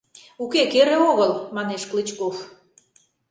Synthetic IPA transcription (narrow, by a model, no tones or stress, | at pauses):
ukekeɾeoɣəlmɑneʃklət͡ɕkof